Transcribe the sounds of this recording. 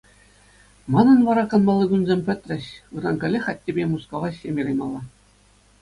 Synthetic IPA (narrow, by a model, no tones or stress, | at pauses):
mɑnɤ̆nʋɑɾɑkɤ̆nmɑlˠːɤɡʲunzʲemʲpʲɘ̆t̪ʲrʲɘ̆ɕɯrɑnkʲɘ̆lʲːɘ̆xɑt̚ʲːebʲemuskoʋɑɕʲːemʲiɾɤjmɑlˠːɑ